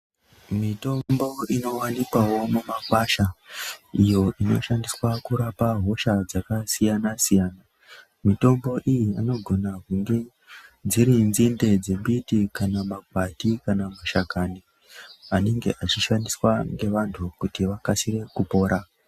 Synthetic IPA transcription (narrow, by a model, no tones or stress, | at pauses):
mito̞mbo̞ino̞wanikwawo̞mumakwaʃa | ijo̞ʔino̞̰ʃandiswakuɾapaɦo̞ʃad͡zakasijanasijaːna | mito̞mbo̞ʔijiano̞ɡʱo̞nakuŋɡe̞ | d͡ziɾinzinde̞d͡zeɓitikanamaɡʱwatikanamaʃakani | ane̞ŋɡe̞̰ʔat͡ʃiʃandiswaŋɡe̞ʋantʰukutiʋakasire̞kupo̞ːɾa